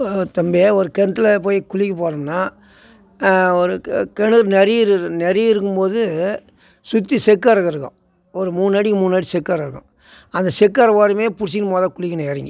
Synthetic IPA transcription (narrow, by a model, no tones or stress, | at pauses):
t̪ɐmbeːɔɾɯkɛnt̪ːɯlɐpoːjkʊɭɪkːɐpoːɾɐnaː | ɔɾɯkɛɳɯɾnɛɾɪɪɾɯnɛɾɪɪɾɯk̬ːɯmpoːðɯ | sʊt̪ːisɛkːaɾɐɣɐɾɯkːɐ̰̃ | ɔɾɯmuːnnaːɽikmuːnaːɽisɛkːaːɾɐɾɯkːɐ̰̃ | ɐnd̪ɐsɛkːaːɾɐʋaːɾɯmeːpʊɽɪs̬ɪnmaːðãːkʊɭɪkːɐnɐɛɾɐŋɡḭ